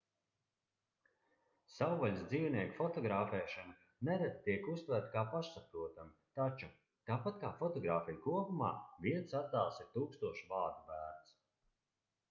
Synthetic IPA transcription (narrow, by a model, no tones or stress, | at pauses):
sawɡalʲsd̪ziːwniɛkfɔt̪ɔɡɾaːfɛːʃana | nɛd̪ad̪̚t̪ːiɛkust̪væɾt̪̚kaːpaʃsapɾuɔt̪amit̪at͡ʃu | t̪aːpat̪̚kaːfɔt̪ɔɡɾaːfijkuɔpuma̰ːviɛnsat̪aːlˠsiɾt̪uːkst̪uɔʃbaːd̪ubæːɾns